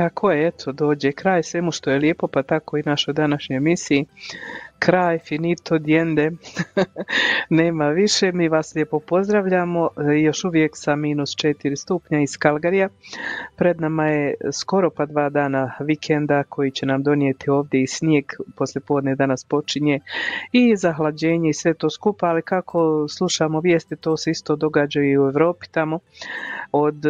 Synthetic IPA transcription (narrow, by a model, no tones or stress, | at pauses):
kakʰo̞jeet̪ʰo̞d̪o̞ːd͡ʑekɾaːjsʋemuʃt̪o̞jeljeːpo̞pat̪ako̞inat͡ʃo̞jd̪anaʃɲo̞jemisii | kʰɾaːjfinit̪ʰo̞d̪je̞nd̪e̞ | ne̞ːmaʋiʃe̞miːʋaːslʲjepo̞po̞zd̪ɾaʋʎaːmo̞jo̞ʃuʋje̞ksamiːnust͡ʃet̪iɾist̪upɲaiskalˠɡaɾijapɾe̞d̪namajesko̞ɾo̞pad̪ʋaːd̪aːnaʋikʰend̪akʰo̞jit͡ɕe̞namd̪o̞nie̞t̪ʰio̞ːʋd̪je̞isnjeːɡpo̞slje̞po̞ːd̪ned̪anaspo̞t͡ʃiɲe̞izaɦlad͡ʑe̞ːɲe̞isʋe̞t̪o̞ːskupaːlikakʰo̞slˠuʃamo̞ʋje̞ːst̪it̪o̞ːse̞ist̪o̞d̪o̞ɡad͡ʑajuiueʋɾo̞ːpi̥t̪amo̞ | od̪